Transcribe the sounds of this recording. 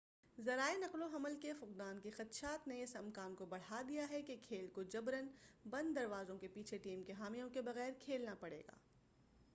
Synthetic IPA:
zɐɾaːenɐqloɦɐməlkefʊqd̪aːnkixɐt̪ʃaːt̪neɪsɐmkaːnkobɐɽ̤ad̪ijaɦɛkekʰeːlkod͡ʒɐbɾənbɐ̃nd̪ːɐɾʋaːzõkepiːt͡ʃʰeʈiːmkeɦaːmijõkebɐɣɛːɾkʰeːlnapɐɽḛːɡa̰ː

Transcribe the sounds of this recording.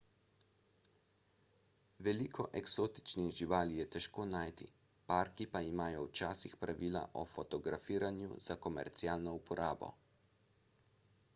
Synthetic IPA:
ʋɛlikʰɔʔɛksoːt̪i̥t͡ʃniɣʒiʋaːlijɛt̪ɛʃkoːnaːjt̪ḭ | paɾkipaimaːjɔwt͡ʃaːsixpɾaʋiːla̰ʔɔ̰fɔt̪ɔɡɾafiːɾanjṵz̥akɔmɛ̰ɾt̪siaːlnɔupʰɔɾʔaːbɔ̰

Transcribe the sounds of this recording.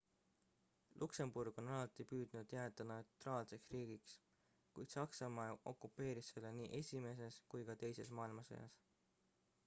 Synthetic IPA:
lʔukse̞mburɡ̥o̞nɑlɑt̪ːˑipyːd̪̥nud̪̥jæːd̪̥ɑno̞wt̪ˑrɑːlse̞ksriːɡ̥iks | kujd̪̥sɑksɑmɑeʔo̞̰kˑːupːe̞ːɾisːe̞lːeniːʔe̞sʲime̞s̬e̞skujkɑt̪e̞jse̞smɑːilmɑsɑ̰jɑ̰s

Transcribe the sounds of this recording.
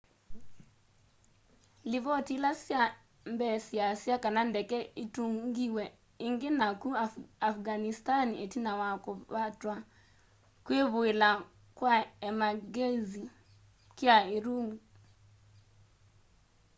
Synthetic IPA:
liβɔtilasja | mbɛsiasiakanandɛkɛituŋɡiwɛ | iŋɡenakuaafɡanistanietinawakɔβatwa | kweβoela | kwaɛmaɡezi | kjaiɾuŋɡu

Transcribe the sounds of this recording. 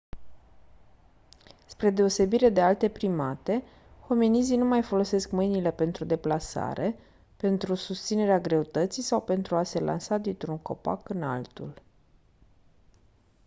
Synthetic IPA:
spɾe̞d̪e̞o̞se̞biɾe̞d̪e̞alt̪e̞pɾimat̪e̞ | xo̞menizinumajfo̞lo̞se̞skmɨjnile̞pe̞nt̪ɾud̪e̞plasa̰ɾe̞ | pe̞nt̪ɾusust̪sine̞ɾeaɡɾe̞ut̪ət̪sisawpe̞nt̪ɾuase̞lʔa̰nsad̪int̪ɾuŋko̞̰pa̰kɨna̰lt̪ṵl

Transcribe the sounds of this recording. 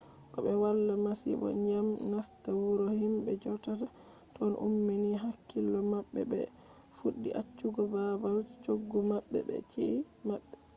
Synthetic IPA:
kɔɓɛwalːamasḭbɔ̰ɲamnastawuɾɔhimbɛd͡ʒɔtata | tɔnʔṵmːiniɦakʰːilːɔmaɓːɛ̰bɛ̰ | fuɗːiʔat͡ʃːuɡɔbabalt͡ʃoɡːumaɓːɛ̰bɛ̰t͡ʃiʔi | mabːɛ

